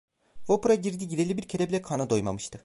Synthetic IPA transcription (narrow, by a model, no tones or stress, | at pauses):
vopuɾaɟiɾd̪iɟiɾelʲibiɾcʰeɾɛbilʲɛkʰanad̪o̞jma̰mɯʃt̪ʰɯ